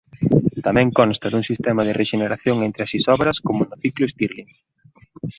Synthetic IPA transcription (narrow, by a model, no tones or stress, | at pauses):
t̪amɛ̃ŋkɔnst̪ɐðuŋsist̪ɛmɐðɪrʔeʃeneɾaθjoŋent̪ɾɪɐsisɔβɾɐskomʊnʊθiklʊest̪iɾlin